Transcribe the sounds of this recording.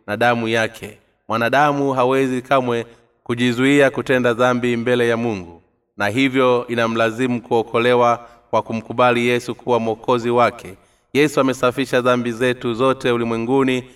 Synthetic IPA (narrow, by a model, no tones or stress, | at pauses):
naɗamujakʰɛ | mwanaɗamuɦawɛzikamwɛ | kuʄizuiakutɛndaðambimbɛlɛjamuŋɡu | naɦivjɔinam̩lazimukuɔkʰɔlɛwa | kwakum̩kuɓalijɛsukuwam̩ɔkɔziwakʰɛ | jɛsuamɛsafiʃaðambizɛtuzɔtɛulimwɛŋɡuni